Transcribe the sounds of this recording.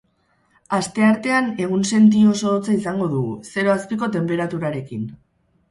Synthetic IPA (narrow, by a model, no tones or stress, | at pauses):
ast̪e̞aɾt̪e̞ane̞ɣ̞unse̞nt̪̬io̞so̞ðot͡saisaŋɡo̞ðuɣṵse̞ɾo̞aspiko̞t̪e̞mpe̞ɾat̪uɾaɾe̞kin